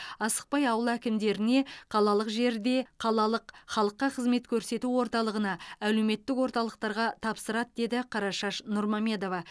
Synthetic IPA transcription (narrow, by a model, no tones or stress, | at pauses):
ɑsə̥q̚pɑjɑwəlˠækʲɪmd̪e̞ɾɪne̞qʰɑlˠɑlˠəqʒe̞ɾd̪e̞qʰɑlˠɑlˠəqχɑlˠəqːɑqʰəzme̞t̪kʲʰɵɾse̞t̪uwo̞ɾt̪ɑlˠəʁənɑæle̞wme̞t̪ːɪkwo̞ɾt̪ɑlˠəq̚t̪ɑɾʁɑt̪ʰɑpsəɾɑt̪̚d̪e̞d̪ɪqʰɑɾɑʃɑʃnʊɾmomʲe̞d̪o̞vɑ